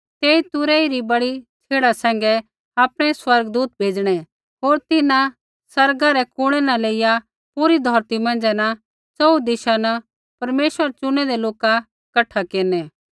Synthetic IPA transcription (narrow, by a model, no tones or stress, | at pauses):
t̪eːit̪ʊɾɛiɾibɐɽit͡ʃʰeːɽasɛ̃ːŋ̆ɡɛ | aːpɽ̃ɛswɐɾɡd̪uːt̪̚bʱeːd͡ʒɽ̃ɛ | ɦoːɾt̪ɪnã | sɐɾɡaɾɛkʊɽ̃ɛnaleːɪja | puːɾid̪ʱɔːɾt̪imɐ̃nd͡ʒɛna | t͡sɔud̪ɪʃanɐ | pɐɾmeːʃəɾt͡ʃʊñɛd̪ɛloːka | kɐʈʰːakeːnɛ